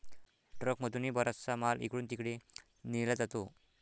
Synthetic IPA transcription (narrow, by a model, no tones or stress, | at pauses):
ɖɾəkməd̪uniːbɔɾat͡st͡samalʔḭkɽuːnt̪ikɽe | nilad͡zat̪o